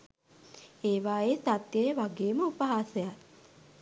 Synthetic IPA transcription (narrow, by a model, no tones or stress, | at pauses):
eːʋaːeːsat̪jəjəʋaɡeːməupəɦaːsəja